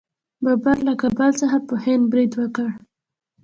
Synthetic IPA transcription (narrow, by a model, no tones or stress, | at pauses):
babaɾlakabalsaxapəhɪnd̪̚bɾid̪wəkəɽ